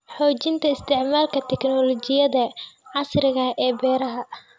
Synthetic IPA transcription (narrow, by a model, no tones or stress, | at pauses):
ħɔːt͡ʃɪnt̪ʰɐɪst̪ʰɪʕmaːlkʰɐt̪ʰɛknɔlɔt͡ʃɪjɐðɐʕɑsɾɪɣɐʔɛːbɛːɾɐɦɐ